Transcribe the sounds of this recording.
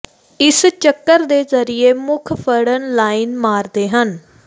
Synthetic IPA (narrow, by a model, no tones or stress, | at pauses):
ɪst͡ʃəkːəɾd̪eːzəɾieːmʊkʰpʰəɽənlaːinmaːɾd̪eːɦən